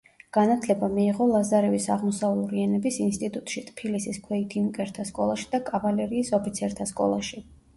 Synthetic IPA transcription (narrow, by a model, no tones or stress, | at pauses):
ɡ̥anat̪ʰlɛbamiːʁɔlˠazaɾɛvisaʁmɔsavlˠɔɾianɛbisinst̪ʼit̪ʼut̪ʼʃit̪ʼpʰilisiskʰwɛit̪ʰimkʼɛɾt̪ʰaskʼɔlˠaʃi̥d̪̥akʼavalɛɾiːsɔpʰit̪sʰɛɾt̪ʰaskʼɔ̰lˠaʃi